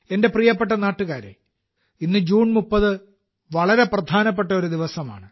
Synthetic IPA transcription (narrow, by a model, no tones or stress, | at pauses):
e̞nde̞prijɐpːe̞ʈ̬ːɐnaːʈːuɣaːɾḛ | inːɨd͡ʑuːɳmupːɐðɨ | ʋɐɭɐɾe̞prɐd̪ʱaːnɐp̬ːe̞ʈːɐoɾud̪iʋɐsɐma̰ːɳɨ